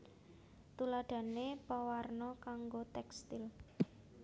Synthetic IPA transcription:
t̪ulaɖ̥a̤nepawarnɔkaŋɡot̪ɛkst̪ɪl

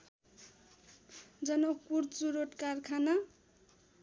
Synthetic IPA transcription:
d͡zʌnʌk̚purt͡suɾoʈkarkʰana

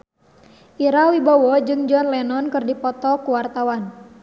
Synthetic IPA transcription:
ʔiɾawibawɔd͡ʒɨŋd͡ʒɔnlɛnɔnkɨrdipɔt̪ɔkuwart̪awan

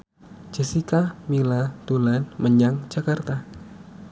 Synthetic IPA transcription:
d͡ʒ̥ɛsikamilat̪ulanməɲaŋd͡ʒakart̪a

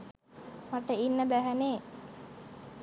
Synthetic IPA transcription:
maʈəinːəbæɦæneː

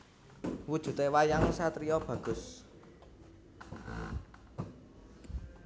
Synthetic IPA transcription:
wud̥ʒ̥ṳt̪ewajaŋsat̪ɾiɔb̥ä̤ɡ̥ʊ̤s

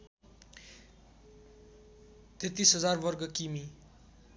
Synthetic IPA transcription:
t̪et̪isɦʌd͡zarbʌrɡʌkimi

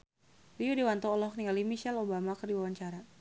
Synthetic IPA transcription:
liudiwant̪ɔːlɔhniŋalimiʃɛlobamakərdiwawaɲt͡ʃaɾa

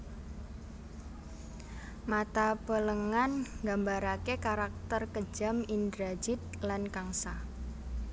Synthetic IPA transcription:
mat̪apələŋanŋɡambaɾakekaɾak̚t̪ərkə̥d͡ʒamind̪ɾad͡ʒɪt̪̚lankaŋsa

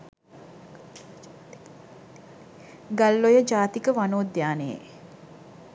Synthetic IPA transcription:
ɡalːojəd͡ʒaːt̪ikəʋanoːd̪jaːnejḛ

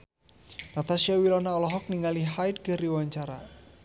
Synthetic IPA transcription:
nat̪asiawilɔnaɔlɔɦɔk̚niŋaliɦajt̪̚ɡəɾiwaɲt͡ʃaɾa̰

